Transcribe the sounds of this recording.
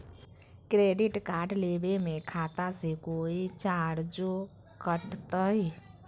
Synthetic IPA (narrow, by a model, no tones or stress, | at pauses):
kɾeɖiʈkaɖlebemekʰat̪asekoit͡ʃaɽd͡ʒo | kəʈt̪əj